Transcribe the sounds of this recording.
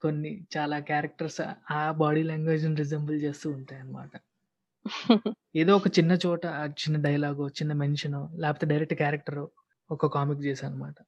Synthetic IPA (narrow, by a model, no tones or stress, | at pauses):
konːit͡ʃaːlaːkjaːɾɐk̚ʈɐɾsaːbaːɽiːlɐŋɡʋeːd͡ʒnɾid͡ʒembɐlt͡ʃe̞ːst̪uːuɳʈaːjɐnːɐma̰ːʈɐ | eːd̪oːɔkɐt͡ʃinːɐt͡ʃɔːʈɐt͡ʃinːɐɖɐjɐlaːɡoːt͡ʃinːɐmenʂɐnoːlɛːpɐt̪eɖɐjɾek̚ʈkaːɾɐk̚ʈɐɾoː | ɔkɐkaːmikt͡ʃɛːsaːnɐmaːʈɐ